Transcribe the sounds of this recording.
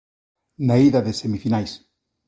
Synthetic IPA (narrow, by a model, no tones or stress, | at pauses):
naiðɐðesemifinajs